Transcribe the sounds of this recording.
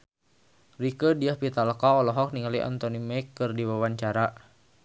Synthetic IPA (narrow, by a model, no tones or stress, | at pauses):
rikədiahpit̪aləkaɔlɔɦɔk̚niŋaliʔa̰nt̪ɔnimɛkːɨrdiwawaɲt͡ʃaɾa